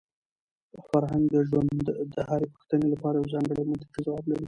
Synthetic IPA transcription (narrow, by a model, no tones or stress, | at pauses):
faɾɦaŋɡd̪əʒwand̪d̪əhɑɾepə̥xt̪ənelapɑɾajawzɑŋɡəɽejmant̪ɪ̥qizawɑblaɾi